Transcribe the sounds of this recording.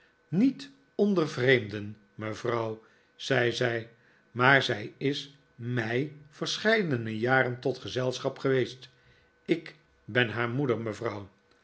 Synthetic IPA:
nit | ɔndəɹvrejmdən | məvrʌw | z̥ɛjzɛj | maːɹzɛjɪs | mɛjv̥əɹsχɛjdənəjaːɾəntɔtχəzɛlˠsχɑpχəʋejst | ɪk | bɛnɦaːɹmudəɹməvrɑw

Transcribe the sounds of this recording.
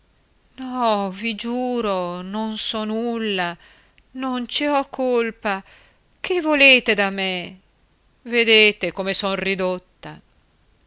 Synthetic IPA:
nɔvid͡ʒuːɾononsɔnulːa | nont͡ʃiɔkʰːolpa | kʰevːoleːt̪ed̪ame | ved̪eːt̪ekomesɔnrid̪ot̪ːa

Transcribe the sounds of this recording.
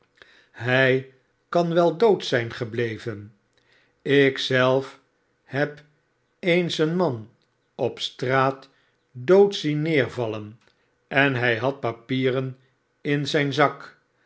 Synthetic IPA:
ɦɛj | kɑnʋɛlˠdowtsɛjnχəblejvən | ɪksɛlˠf | hɛp | ejnsənmɑn | ɔpstraːt | dowtsinːɪːɹvɑlən | ɛnɦɛjɦɑt̚papiːrən | ɪnzɛjnzɑk

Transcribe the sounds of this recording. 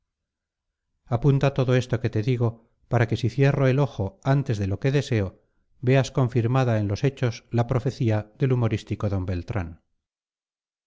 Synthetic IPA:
apunt̪at̪o̞ðo̞e̞st̪o̞ke̞t̪e̞ðiɣo̞ | paɾake̞siθjero̞e̞lo̞xo̞ant̪e̞zðe̞lo̞ke̞ðe̞se̞o̞ | be̞asko̞ɱfiɾmaðae̞nlo̞se̞t͡ʃo̞slapɾo̞fe̞θiaðe̞lumo̞ɾist̪iko̞ðo̞mbe̞lt̪ɾa̰n

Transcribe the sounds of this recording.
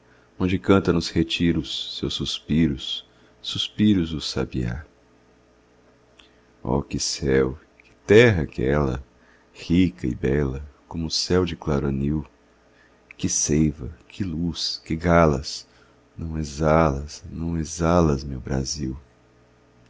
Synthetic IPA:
õd͡ʒɪkɐ̃nt̪ɐnʊshet͡ʃiɾʊsːewsuspiɾʊsː | uspiɾʊzʊsa̰bia̰ | ɔ̰kɪsɛw | kɪ̥t̪ɛɦɐkɛlɐ̰ | hikɐɪ̰bɛlɐkõmʊːsɛwd͡ʒɪklaɾoniw | kɪsejvɐkʰɪluskɪɡalɐs | nɐ̃w̃ezalɐsnɐ̃w̃ezalɐzmewbɾa̰ziw

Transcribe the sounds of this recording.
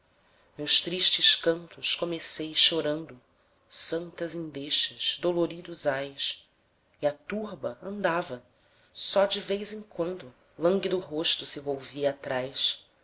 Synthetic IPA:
mewʃt̪ɾiʃt͡ʃɪʃkɐ̃nt̪ʊskomesejʃoɾɐ̃nd̪ʊ | sɐ̃nt̪ɐzẽd̪eʃɐz̥d̪oloɾid̪ʊzajs | iɐt̪uɾbɐɐ̃nd̪avɐ | sɔd͡ʒɪvejzẽŋkwɐ̃nd̪ʊ | lɐ̃ŋɡid̪ʊɦoʃt̪ʊsɪvowviɐːt̪ɾajs

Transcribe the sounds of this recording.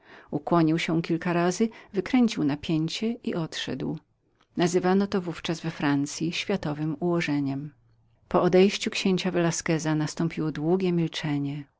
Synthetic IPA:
ukwɔɲiwɕɛkʲilkaɾazɘvɘkɾɛɲt͡ɕiwnapʲjeɲt͡ɕɛʔiʔɔt̪ʂɛ̰d̪w | nazɘvanɔt̪ɔvuft͡ʂazvɛfɾant̪sʲjiɕfʲjat̪ɔvɘmuwɔʐɛɲɛm | pɔɔd̪ɛjɕt͡ɕukɕeɲt͡ɕavɛlaskɛzanast̪ɔ̃mpʲiwɔd̪wuɡʲɛmʲilt͡ʂɛɲɛ

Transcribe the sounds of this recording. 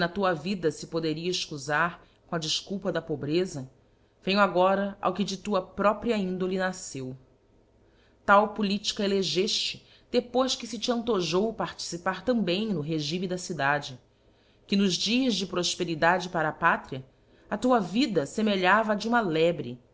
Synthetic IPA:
nɐt̪uɐvid̪ɐsɪpod̪eɾiɐɪʃkuzaɾ | kõɐd͡ʒɪʃkuwpɐd̪ɐpobɾezɐ | v̥ẽj̃waɡɔɾɐa̰wkɪd͡ʒɪt̪uɐpɾɔpɾiɐĩnd̪olinasew | t̪awpulit͡ʃi̥kɐeleʒeʃt͡ʃɪ | d̪̥epojskɪsɪt͡ʃɪɐ̃nt̪oʒowpaɾt͡ʃi̥sipaɾt̪ɐ̃mbẽj̃nʊɦeʒimid̪ɐsid̪ad͡ʒɪ | kɪnʊzd͡ʒiɐzd͡ʒɪpɾoʃpeɾid̪ad͡ʒɪpaɾɐːpat̪ɾiɐ | ɐt̪uɐvid̪ɐsemeʎavɐd͡ʒɪũmɐlɛbɾɪ

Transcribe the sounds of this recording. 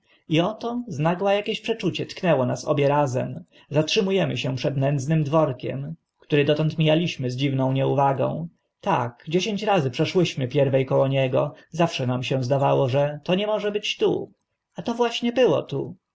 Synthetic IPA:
iɔt̪ɔznaɡwajakʲeɕpʂɛt͡ʂut͡ɕɛt̪knɛwɔnasɔ̰bʲjɛɾazɛ̰m | zatʂɘmujɛmɘɕɛpʂɛd̪nɛnd̪znɘmd̪vɔɾkʲɛ̰m | kt̪uɾɘd̪ɔt̪ɔnt̪mʲijalʲiɕmɘzd͡ʑivnɔ̃w̃ɲɛuvaɡɔ̰̃w̃ | t̪akd͡ʑeɕeɲt͡ɕɾazɘpʂɛʂwɘɕmɘpʲjɛɾvɛjkɔwɔɲɛɡɔzafʂɛnamɕɛ̃zd̪avawɔʐɛt̪ɔɲɛmɔʐɛbɘt͡ɕt̪ṵ | at̪ɔvwaɕɲɛbɘwɔ̰t̪ṵ

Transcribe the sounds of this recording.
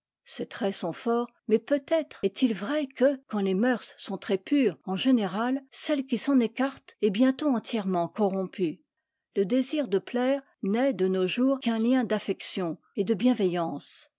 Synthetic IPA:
set̪ʁɛsɔ̃fɔːʁ | mɛpøt̪ɛt̪χɛt̪ilvʁɛkəkɑ̃lemœʁsːɔ̃t̪χɛpyʁɑ̃ʒeneʁalsɛlkʲisɑ̃nekaʁt̪ɛbjɛ̃t̪oɑ̃t̪jɛʁmɑ̃kɔʁɔ̃py | ləd̪eziʁd̪əplɛːʁ | nɛd̪ənoʒuːʁkɛ̃ljɛ̃d̪afɛksjɔ̃ | ed̪əbjɛ̃vɛjɑ̃ːs

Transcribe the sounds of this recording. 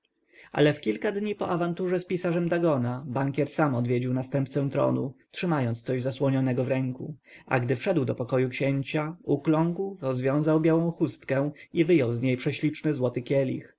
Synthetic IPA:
ʔa̰lɛfkʲilkad̪ɲipɔʔavant̪uʐɛspʲisaʐɛmd̪aɡɔnabaŋkʲɛɾsamɔd̪vʲed͡ʑiwnast̪ɛmp̚t̪sɛ̃t̪ɾɔ̰nṵtʂɘmajɔnt̪st̪sɔʑzaswɔɲɔnɛɡɔvɾɛŋkṵa̰ɡd̪ɘfʂɛd̪wd̪ɔpɔkɔjukɕeɲt͡ɕauklɔŋɡwɾɔzvʲjɔ̃w̃zawbʲjawɔ̃w̃xust̪kɛ̃ivɘjɔwzɲejpʂɛɕlʲit͡ʂnɘzwɔt̪ɘkʲɛlʲḭx

